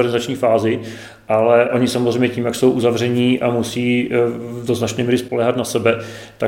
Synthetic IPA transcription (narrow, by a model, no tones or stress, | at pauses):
ɾɡnɪzat͡ʃɲiːfaːzɪ | ʔalɛʔo̞ɲɪsamozrɛjmɲɛciːmjakso̞wʔuzavr̝ɛɲiːʔamusiː | do̞znat͡ʃnɛːmiːɾɪspo̞lɛːɦat̪nasɛbɛ | t̪a